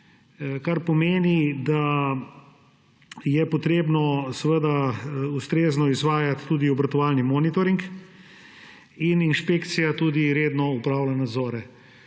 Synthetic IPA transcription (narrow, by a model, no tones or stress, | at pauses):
kaɾpɔmeːnid̪a | jɛpɔt̪ɾeːbnɔsəʋəd̪aust̪ɾeːznɔizʋaːjat̪ːuːd̪iɔbɾat̪ɔʋalnimɔːnit̪ɔɾiŋk | ininʃpeːkt̪sijat̪uːd̪iɾeːd̪nɔupɾaːwlanad̪zɔːɾɛ